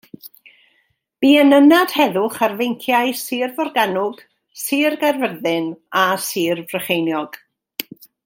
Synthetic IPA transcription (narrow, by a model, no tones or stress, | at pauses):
b̥iːənənad̥hɛðʊχarvejŋkʰjaɨsɨːrvɔrɡanʊɡ̥ | sɨːrɡarvərðɨnasɨːrvrəχejnjɔɡ̥